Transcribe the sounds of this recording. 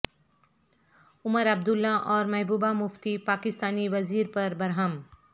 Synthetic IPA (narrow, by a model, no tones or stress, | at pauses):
ʊməɾɐb̚d̪ʊlːaʔɔːɾmɛɦbuːbamʊft̪ipaːkɪst̪aːniʋɐziːɾpɐɾbɐɾɦəm